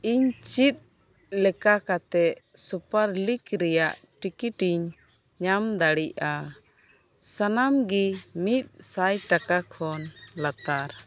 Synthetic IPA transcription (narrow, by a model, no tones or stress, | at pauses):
iɲt͡ʃit̪̚ | lɛkakat̪ɛsupaɾlikɾɛjaʔʈikiʈiɲ | ɲamd̪aɽiʔa | sanamɡimit̪̚sajʈakakʰɔnlat̪aɾ